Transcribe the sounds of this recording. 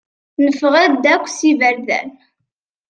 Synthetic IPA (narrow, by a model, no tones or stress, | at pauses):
nəfəʁæd̪ækʷːsivəɾðæ̰n